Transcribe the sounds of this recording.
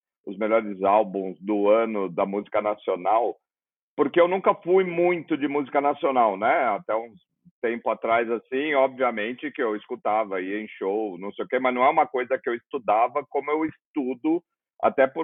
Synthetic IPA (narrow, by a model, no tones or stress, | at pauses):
ʊzmeʎɔɾɪzawbũzd̪ʊɐ̃nʊd̪ɐmuzikɐnasionaw | poɾkeewnũkɐfujmũj̃t̪ʊd͡ʒɪmuzikɐnasionawnɛat̪ɛũ | t̪ẽmpʊat̪ɾajzasĩɔbviɐmẽnt͡ʃɪkɪewɪskut̪avɐiẽj̃ʃownɐ̃w̃sejʊkemɐznɐ̃w̃ɛũmɐkojzɐkɪewɪst̪ud̪avɐkõmʊewɪst̪ud̪ʊ | a̰t̪ɛpʊɾ